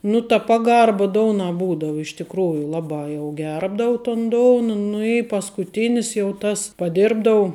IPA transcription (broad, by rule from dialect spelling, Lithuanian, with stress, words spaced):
nʊ tɐ ˈpɑːˌɡɐrbɐ ˈdoːʊnɑː ˈbuːdɐʊ ɪʃ tʲɪkˈruːjʊ ˈlˠɑːˌbɑː jɛʊ ˈɡʲɛrbdɐʊ toːn ˈdoːʊnɐ nʊ ɪ pɐskʊˈtʲɪnʲɪs jɛʊ ˈtɐs pɐˈdʲɪrbdɐʊ